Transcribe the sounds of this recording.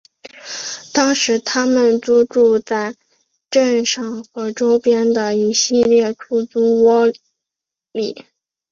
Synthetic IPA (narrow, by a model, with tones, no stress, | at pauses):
t̪ɑ˥ŋʂɻ̩˧˥t̪ʰa˥mə˨nt͡su˥ʈ͡ʂu˥˧t͡sa˥˩ɪ | ʈ͡ʂə˥˧nʂɑ˥˩ŋxɤ˧˥ʈ͡ʂo˥ʊpjɛ˥nd̪ə˨i˨˩ɕi˥˧ljɛ˥˩ʈ͡ʂʰu˥˩t͡su˥wɔ˥ | li˨˩˦